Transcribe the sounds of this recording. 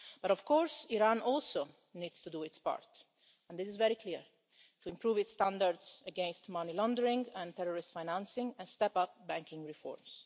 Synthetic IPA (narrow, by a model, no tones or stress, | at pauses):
b̥aɾɔv̥kɔɹsiɾãnɔlso | nid̪st̪ud̪uɪtspa̰ɹt̪ | ɛ̃nd̪ɪsɪzvɛɾikʰliɹ | t̪uɪ̃mpɾuːvɪtst̪ãnd̪aɾd̪səɡɛ̃nst̪mʌnilɔ̃nd̪əɾɪ̃ŋɛ̃nt̪ɛɹɔɹɪst̪fajnãnsɪ̃ŋɛ̃nst̪ɛpap̚bæ̃ŋkɪ̃ŋɹifɔ̰ɹms